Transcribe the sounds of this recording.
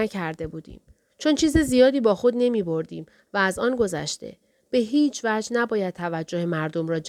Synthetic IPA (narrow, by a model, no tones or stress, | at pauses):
æcʰæɾd̪e̞buːd̪ḭːm | t͡ʃʰont͡ʃʰiːzezijɒːd̪iːbɒːxo̞d̪ne̞miːbo̞ɾd̪iːm | væːzɒːnɡo̞zæ̰ʃt̪e̞̰ | b̥e̞ɦiːt͡ʃʰvæd͡ʒnæbɒːjæd̪̚t̪ʰævæd͡ʒːo̞hemæɾd̪o̞mɾɒːd͡ʒ